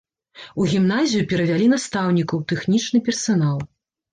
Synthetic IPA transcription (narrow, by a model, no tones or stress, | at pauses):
uɣʲimnazʲijupʲɛɾɐvʲalʲinast̪awnʲikɐwt̪ɛxnʲit͡ʂnɨpʲɛrsanalˠ